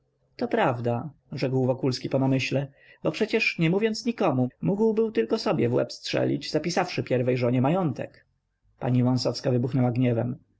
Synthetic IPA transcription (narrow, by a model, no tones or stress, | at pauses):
t̪ɔpɾavd̪a | ʐɛkwvɔkulskʲipɔnamɘɕlɛ | bɔpʂɛt͡ɕɛʂɲɛmuvʲjɔnt̪sɲikɔmumuɡwbɘwt̪ɘlkɔsɔbʲjɛvwɛ̰pstʂɛ̰lʲḭd͡ʑzapʲisafʂɘpʲjɛɾvɛjʐɔɲɛmajɔnt̪ɛ̰k | pa̰ɲivɔ̃ñsɔfskavɘbuxnɛwaɡɲɛvɛm